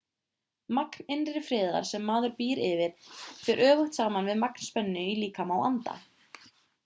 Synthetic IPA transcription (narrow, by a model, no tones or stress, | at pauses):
maknɪnɪfɾɪːða̰ɾ̥sɛmːaːðʏɾpiːɾɪvɪɾ̥fɛɾʔœːɣʏht̪saːmanvɪðmakn̥spɛnːʏiliːkamawa̰nt̪a̰